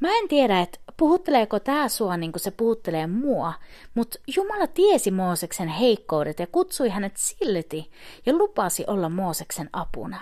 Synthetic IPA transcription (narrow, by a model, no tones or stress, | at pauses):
mæent̪ieɾæet̪puhut̪ːeleːkot̪æːsuɑniːŋkusepuhut̪ːeleːmuɑmut̪jumɑlɑt̪iesimoːseksenheikːoudet̪jɑkut̪suiɦænet̪silːt̪ijɑlupɑsiʔolːɑmmoːseksenʔɑpṵnɑ